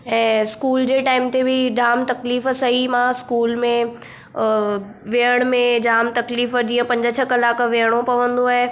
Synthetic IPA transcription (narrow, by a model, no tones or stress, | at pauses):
ɛ̃ːskuːld͡ʑeːʈaːɪmt̪ebɪd͡ʑaːmt̪ɐkliːfsɐɦimãskuːlmẽ | ʋeəɽ̃mẽd͡ʑaːmt̪ɐkliːfd͡ʑiːə̃pɐ̃ɲd͡ʑət͡ɕʰɐkɐlaːkʋeɦəɽ̃opɐʋə̃nd̪oaːɦe